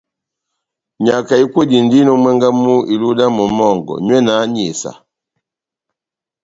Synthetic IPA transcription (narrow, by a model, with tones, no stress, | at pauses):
ɲa˨ka˨i˦kwɛ˦˨di˨n˦di˦nɔ˦mwɛ˦ŋɡa˦mu˦i˨lu˦da˦mɔ˨mɔ˦˨ŋɡɔ̰˨ɲwɛ˦na˨˦ɲi˨sa̰˨